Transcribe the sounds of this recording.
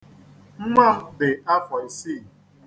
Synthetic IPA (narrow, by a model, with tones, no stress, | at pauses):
m̩˦ma˦˨m̩˦de˨a˦fa˨i˨si˦˨